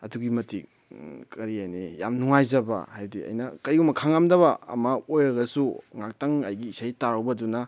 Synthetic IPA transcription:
ɐduɡimɐtʰik̚ | kʰɐɾiajnija̰mnuŋajzɐbɐ̰hajdiɐ̰jnɐkɐjɡumɐkʰaŋamdɐβɐɐ̰mɐojɾɐɡɐsuŋak̚tɐŋɐjɡiːsajtaɾawbɐdunɐ

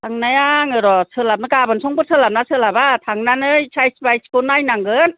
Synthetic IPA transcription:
tʰaŋnajaŋɯɾɔsɯlap̚nɯkabɯnsɔŋbɯsʰɯlap̚nasɯlabat̪ʰaŋnanɯjsʰajsbajskonajnaŋɡɯn

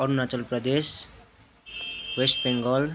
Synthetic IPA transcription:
ʌɾunat͡sʌlprʌd̪es | wesʈ̚beŋɡʌl

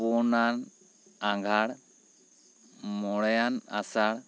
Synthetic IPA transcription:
ɔnan | aŋɡʱaɽ | mɔɽjana̰saɽ

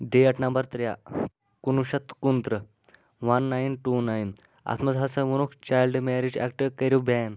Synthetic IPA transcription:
ɖeəʈnɐmbəɾt̪ɾja | kunuɕɐt̪kunt̪ɾə | ʋɐnːajnʈunajn | a̰t̪ʰmɐd͡zɦasəʋunukt͡ɕajlɖmɛɾid͡ʑɛ̰kʈəɾkəɾubɛn

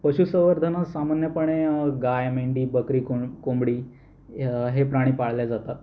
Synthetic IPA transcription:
pəɕuːsəʋəɾd̪ʱənasamanjəpəɳ̃eɡajmeɳɖiːbəkɾiːkkombɽiː | ɦepɾaɽ̃iːpaɭ̤ljad͡zat̪at̪

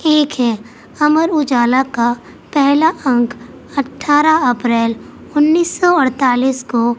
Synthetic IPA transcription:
eːkʰɦɛ | ɐməɾʊd͡ʒaːlaka | pɛɦlaə̃ŋkʰ | ɐʈʰːaːɾaɐpɾɛːl | ʊnːiːsːɔəɽt̪aːliːsko

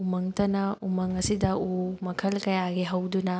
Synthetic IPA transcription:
umɐŋtɐnɐumɐŋɐsidɐumɐkʰɐlkɐjaɡiɦɐwdunɐ

